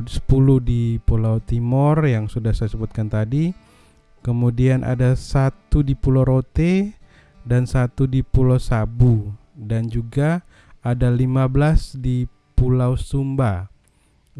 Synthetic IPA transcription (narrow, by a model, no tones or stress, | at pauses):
sə̥puluhdipulawt̪imɔrjaŋsudahsajasəbut̪̚kant̪adi | kəmudianʔa̰dasat̪udipuloɾot̪e | dansat̪udipulawsabu | dand͡ʒuɡaː | dalimablasdi | pulawsumba